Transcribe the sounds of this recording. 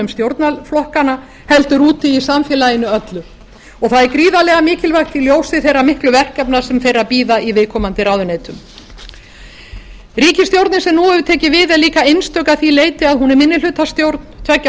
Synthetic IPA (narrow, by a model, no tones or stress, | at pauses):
ʏmst̪jowɾt̪naflɔhkana | hɛlt̪ʏɾuːt̪ɪisamfjɛlajɪnːʏœt̪lʏ | ɔɣθaðɛɾkɾiːðalɛɣamɪːcɪlvajht̪ɪljoːwsɪθejrːamɪhklʏvɛr̥kcɛpnḁsɛmfejɾaðpiːðaivɪːkʰɔːmant̪ɪɾaːwðʏneːjt̪ʏm | riːcɪst̪jowɾt̪nɪnsɛmnuɛvʏt̪ʰɛːcɪvɪðɛðliːkaejnst̪œkaðθileːjt̪ɪaðɦunɛɾmɪnːɪlʏt̪ast̪jowɾt̪nt̪ʰvɛcː